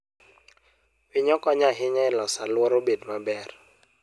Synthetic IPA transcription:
wɪɲɔkɔɲaɦɪɲɔɪlɔsalwɔɾobedmabɛr

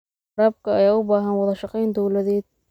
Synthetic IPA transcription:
ɾaːb̚kʰɐɐjaːʊbaːɦɐnwɑðɐʃɑqɛjnd̪ɔwlɐðɛːd̪̚

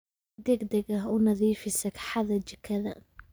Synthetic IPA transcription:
d̪ɛɡd̪ɛɡɐɦʊnɐðiːfɪsɐkʰħɑðɐt͡ʃɐkʰɐðɐ̰

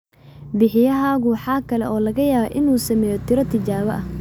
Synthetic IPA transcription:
bɪħɪjɐɦaːɣʊwɑħɑːkʰɐlɛ̰ʔɔːlɐɣɐjaːβaʔɪnuːsɐmɛːjɔt̪ʰɪɾɐt̪ʰɪt͡ʃaːβɐ̰ʔɐh

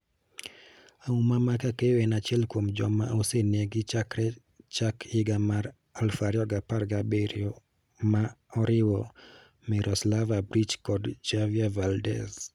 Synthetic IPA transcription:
aumamakakeɛnat͡ʃjɛlkwomd͡ʒɔ̰maʔoseneɡɪt͡ʃakɾɛ | t͡ʃakʰɪɡamaɾ | alfaɾjɔɡaparɡabeɾjɔ | maɔɾɪwɔ | mɪɾɔslavabɾit͡ʃkɔdd͡ʒavjavaldɛ̰s

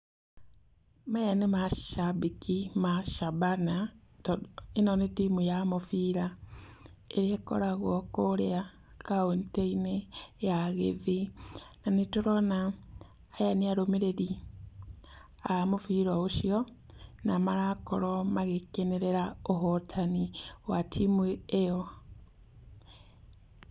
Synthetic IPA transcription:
majanemaʃabikimaʃabana | enonetimujamofiːɾa | eɾeko̰ɾaɣwokoɾea | kaonteinejaɣḛvinanetoɾonaː | janiaɾomeɾeɾi | amofiɾwaoʃio | namaɾako̰ɾomaɣekeneɾeɾaoɦotʰaniwatʰimweejo

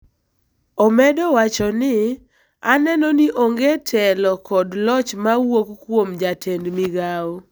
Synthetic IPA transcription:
ɔmɛdɔwat͡ʃɔnɪ | anɛnɔnɪʔoŋɡetʰɛlɔkɔdlɔt͡ʃmawokkwomd͡ʒatʰendmiɡao

